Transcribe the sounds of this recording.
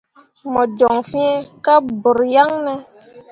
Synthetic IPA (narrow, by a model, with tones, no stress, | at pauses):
mɔ˨d͡ʒɔ˨ŋfi˦ɛ˦ka˦bɔ˨ɾja˦ŋnɛ˦